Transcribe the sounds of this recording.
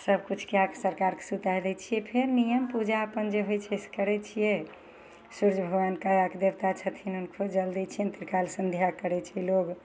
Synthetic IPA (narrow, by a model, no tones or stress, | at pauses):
səbʱkut͡ʃʰkeaksəɾkaɾke̥sut̪ajd̪ɛt͡ʃʰijɛpʰeɾnijəmpud͡ʒaəpənd͡ʒeɦojt͡ʃʰɛskəɾɛt͡ʃʰijɛ | suɾd͡ʒbʱəɡʋankajəkd̪ebt̪at͡ʃʰət̪ʰinunkʰod͡ʒəld̪it͡ʃʰient̪iɾkalsənd̪ʱjakəɾɛt͡ʃʰɛloɡ